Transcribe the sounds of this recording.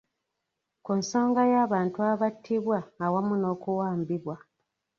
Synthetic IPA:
kunso̞ːŋɡajaːβaːntuaβatʰːiβwaːwamuno̞ːkuwaːmbiβwa

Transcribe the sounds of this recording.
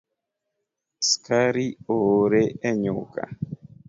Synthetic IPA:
skʰaɾioɾɛɛɲoka̰

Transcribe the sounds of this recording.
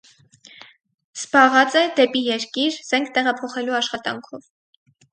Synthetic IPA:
z̥bɑʁɑt͡sɛd̪ɛpijɛɾkiɾz̥ɛŋkʰt̪ɛʁɑpʰɔχɛluɑʃχɑt̪ɑŋkʰɔv

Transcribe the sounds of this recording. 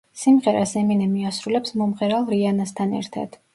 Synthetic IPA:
simʁɛɾa̰sɛminɛmiasɾulɛpsmɔmʁɛɾalˠɾianast̪ʰanɛ̰ɾt̪ʰa̰d̪̥

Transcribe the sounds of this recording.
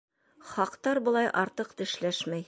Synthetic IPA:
χɑqt̪ɑɾbŏlˠɑjʔɑɾt̪ɤqt̪ɘ̆ʃlæʃmæj

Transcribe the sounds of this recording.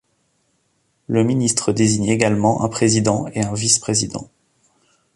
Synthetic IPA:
ləminist̪χəd̪eziɲeɡalmɑ̃ʔɛ̰̃pχezid̪ɑ̃eɛ̃vispχezid̪ɑ̰̃

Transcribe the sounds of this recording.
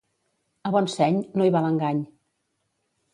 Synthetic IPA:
əβɔnsɛɲnoiβaləŋɡaɲ

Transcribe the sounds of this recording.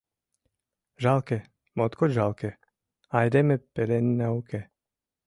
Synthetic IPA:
ʒalkɛ | mɔt̪kɔd͡ʒʒalkɛ | ajd̪ɛmɛpɛlɛnːaukɛ

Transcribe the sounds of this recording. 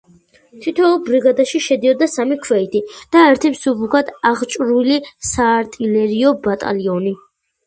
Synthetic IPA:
t̪ʰit̪ʰɔbɾiɡad̪aʃiʃɛd̪iɔd̪asamikʰwɛit̪ʰid̪̥aɛɾt̪ʰimsubukʰad̪aʁt͡ʃʼɾulisaːɾt̪ʼilɛɾiɔbat̪ʼa̰liɔni

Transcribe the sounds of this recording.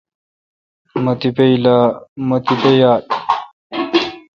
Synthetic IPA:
mɐt̪ipeilamɐt̪ipejaːt

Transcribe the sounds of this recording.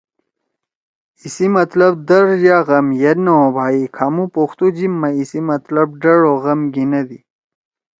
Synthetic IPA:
isimɐt̪lɐb̚d̪ɐɾjaɣɐmjɐɾnɐobʱaːikʰamupoxt̪ud͡ʑimːɐisimɐt̪lɐb̚ɖɐɽoɣɐmɡinɐd̪i

